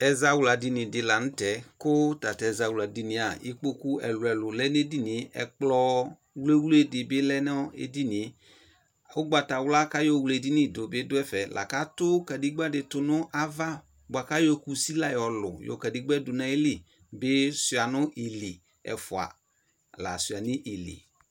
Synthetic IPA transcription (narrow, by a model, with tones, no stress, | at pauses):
ɛ˨za˧wla˨di˧nɪ˨dɪ˧la˨nʊ̃˦tɛ˨˦kʊ˦ta˨tɛ˨za˨wu˨la˨di˨nɪ̃˨a˨ḭ˨˦k͡po˦ku˦ɛ˨lʊ˨ɛ˨lʊ˨lɛ˦n˦e˦di˦nɪ˨˦ʔɛ̰˨k͡plɔ˧˦ | wle˦wle˦dɪ˨bɪ˦lɛ˦nɛ˦ɔ˦ḛ˨di˦nɪ˨˦ | ʊ˦ɡ͡ba˨ta˨wla˦ka˦jɔ˦˨wle˨di˦nɪ˦˨dʊ˨bɪ˦dʊ˦ɛ˦fɛ˨lʔa̰˨ka˦tʊ˦ka˨di˦ɡ͡ba˦dɪ˧tʊ˨nʊ˦ʔa˦va˦ | ɡ͡ba˨ka˦jɔ˧ku˨si˦la˦jɔ˨lʊ̰˨jɔ̰˨ka˨di˦ɡ͡bɛ˦dʊ˨na˨˦e˦li˨ | bɪ˦sʊ˨a˨nʊ˦ʔi˨li˨ | ɛ̰˨fʊ˨a̰˨ | la̰˨sʊ˨a˨nɪ˦ʔi˨lḭ˨